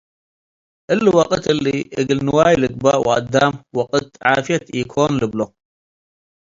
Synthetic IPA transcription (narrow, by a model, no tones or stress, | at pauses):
ʔɨlːɨwɐqʼɨt̪ɨlːiʔɨɡɨlnɨwaːjlɨɡ̚baʔwʔad̪ːamwɐqʼɨt̪ʕaːfijɐt̪ʔikʰonlɨblo